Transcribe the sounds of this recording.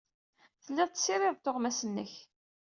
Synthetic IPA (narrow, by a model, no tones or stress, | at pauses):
θəlːiðˤt̪ːsːiɾˤɪðˤt̪ːoʁmæsənːəç